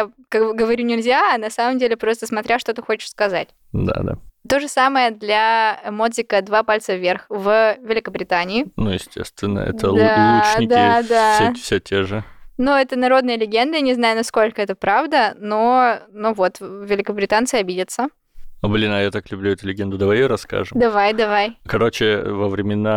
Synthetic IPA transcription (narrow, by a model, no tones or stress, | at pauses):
jakakbɡəvɐɾʲunʲɪlʲzʲaːnɐsaməmdʲelʲɪpɾo̞st̪əsmɐt̪ɾʲaʂt̪o̞t̪ɨxo̞t͡ɕɪ̥ʂskɐzatʲ | d̪a̰d̪a̰t̪o̞ʐɨsaməjəd̪lʲamo̞d̪zʲɪkəd̪vapalʲt̪səvʲerxvvʲɪlʲɪkəbɾʲɪt̪anʲɪɪnujɪsʲtʲʰḛst̪vʲɪnːə̰ɛ̰t̪əld̪alˠuɪd̪ad̪asfsʲetʲʰeʐɨnuɛt̪ənɐɾo̞d̪nəjəlʲɪɡʲe̞nd̪ənʲɪznajʊnɐsko̞lʲkəɛt̪əpɾavd̪ənonuvo̞t̪vʲɪlʲɪkəbɾʲɪt̪ant̪sɨɐbʲidʲət̪sə | ɐblʲinɐjat̪aklʲʉblʲuɛt̪ʊlʲɪɡʲend̪ʊd̪ɐvajɪjoɾɐska̰ʐɨmd̪ɐvajd̪ɐvajkɐɾo̞t͡ɕɪvəvɾʲɪmʲɪna